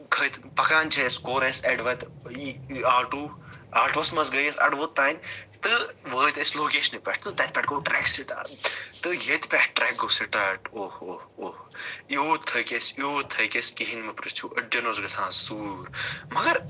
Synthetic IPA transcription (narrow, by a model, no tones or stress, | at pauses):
ɡʱɐjt̪pɐkaːnt͡ʃʰeskoːɾẽseɖʋɐːt̪iaːʈuːaːɾʈʋɐsmɐsɡɐjesɐ̰ɽʋoːt̪ːaːnʲt̪ɨʋəːt̪esloːkeːʃɐnipʲɛʈʰt̪ɨt̪ɛt̪̚pʲɛːʈɡoːʈɾɛːksiʈ̪a̰t̪ɨjet̪pɛʈʰʈɾɛːk̚ɡoːsiʈɐːʈoːhoːoːhjoːt̪ʰːɐjkʲesjoːt̪ʰːɐjkʲeskiɦinmɐpɾɨst͡ʃʰuːʔɐɖɐnoːzɡɐsʰãːsuːɾmɐɡɐɾ